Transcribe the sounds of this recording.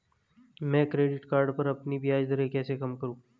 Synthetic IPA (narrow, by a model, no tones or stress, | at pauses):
mɛ̃ːkɾeːɖɪʈkaːɾɖpɐɾɐpnibʱijaːd͡ʒd̪ɐɾekɛːsekɐmkɐɾũː